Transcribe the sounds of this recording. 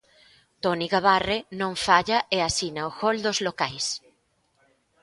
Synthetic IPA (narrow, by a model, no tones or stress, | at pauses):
t̪oniɣaβarenõɱfaʎaʔeasinaoxold̪ozlokajs